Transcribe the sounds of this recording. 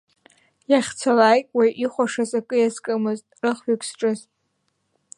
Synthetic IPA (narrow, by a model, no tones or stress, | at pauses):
jaχʲt͡sʰalaːjkʼwajʔiχʷaʂazakʼɨjazkʼɨmɨztʼrɨχɥʏkʷʰsʈ͡ʂʼɨz